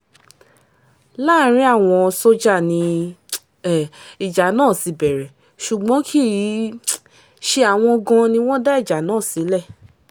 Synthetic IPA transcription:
la˦˨˦ɾ̃ĩ˦a˦˨w̃ɔ̃˧so˦d͡ʒa˦˨nĩ˧˨ | i˨d͡ʒa˨nãː˦˨si˧˦bɛ˨ɾɛ˨ | ʃu˨ɡ͡bɔ̃˨˦kʰi˦˨ji˨˦ | ʃe˧a˨w̃ɔ̃˧ɡã˧nĩ˧w̃ɔ̃˦da˦i˦˨d͡ʒa˨nãː˦˨si˨˦lɛ˦˨

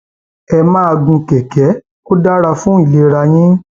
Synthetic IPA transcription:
ɛ˧mã˦˧ɡũ˧kɛ˨kɛ˨˦ | o˦da˦ɾa˧fũ˦i˨le˨˧ɾa˧j̃ĩ˦

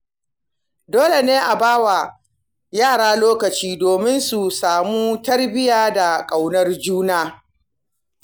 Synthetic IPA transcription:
doː˦le˨neː˦ʔa˨baː˦wa˨ | jaː˦˨ɽaː˦loː˦kɐ˨t͡ʃiː˦doː˨mɪ˦nsu˨saː˨muː˦tɐ˦rbɪ˦jaː˦da˨kʼa˨wnɐ˦rd͡ʒuː˦naː˦

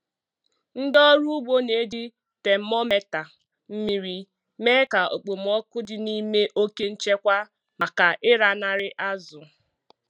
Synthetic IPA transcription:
n̩˦dɔ˦ɾu˦ʊ˦ɡ͡bo˦ne˨˦dɪ˦ | te˨m̩˦mɔ˦me˦ta˨ | m̩˦mi˨ɾi˨ | me˦ka˨ʔo̰˨k͡po˨m̩˨ɔ˦kʊ˦dɪ˨ni˦me˦ʔo˦ke˦n̩˦t͡ʃe˦kʷa˦ | ma˨ka˨ʔɪ˦ɾa˨na˨ɾɪ˦ʔa˦zʊ˨

